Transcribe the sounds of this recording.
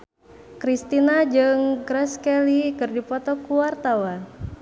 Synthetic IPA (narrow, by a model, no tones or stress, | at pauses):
kɾist̪inad͡ʒɨŋɡɾɛskɛlikɨrdipɔt̪ɔkuwart̪awan